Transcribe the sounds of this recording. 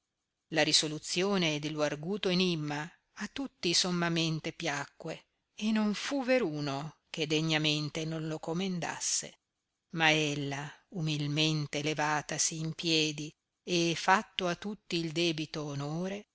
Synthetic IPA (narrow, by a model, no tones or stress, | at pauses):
laɾisolut̪sjoːned̪eloarɡuːt̪oenimːaː | t̪ːut̪ːisomːament̪epjakːwe | enːoɱfuveɾuːnoked̪eɲːament̪enõnlokomend̪a̰sːḛ | maelːaumilment̪elevaːt̪asiːmpjɛːd̪i | efat̪ːoat̪ːut̪ːiːld̪ɛːbit̪oːnoːɾe